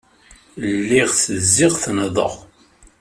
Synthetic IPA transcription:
lːɪʁθəzːɪʁθnəðˤə̰ʁ

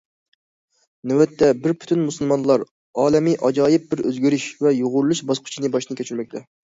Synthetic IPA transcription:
nɪwɛt̪ʰːɛbɪɾpʰy̥t̪ʰynmusɨlˠmɑnlˠɑɾ | ɑːlɛmɨʔɑd͡ʒɑːjɪp̚bɪɾø̰zɡʲyɾyʃvɛjoʁʊɾlˠuʃbɑsqʰʊ̥t͡ʃʰinɨbɑʃnɨkʲet͡ʃʰyɾmɛkʲt̪ʰɛ

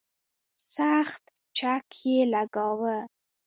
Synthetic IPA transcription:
saxt̪t͡ʃakʰjelaɡawə

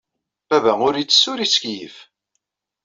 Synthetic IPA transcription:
b̥ævæʊɾit͡sːə̥sːʊɾiskjif

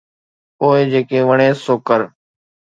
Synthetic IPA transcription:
poːeːd͡ʒeːkeːʋəɳ̃ẽːsoːkəɾ

